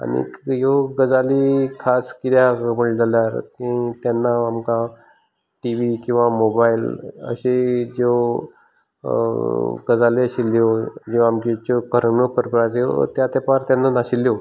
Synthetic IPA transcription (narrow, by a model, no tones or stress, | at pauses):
a̰nḭjoɡəd͡zalikʰaskit̪ʰjaməɭd͡zaljaɾkĩt̪janːaːmka | ʈiʋikĩw̃ʋamobailə̰ɕed͡ʑe | ɡəd͡zaliəɕilːjod͡ʑeʋamkit͡ɕokəɾmokəɾpəɾaɾijo̰t̪jat̪epaɾt̪janːanaɕiljo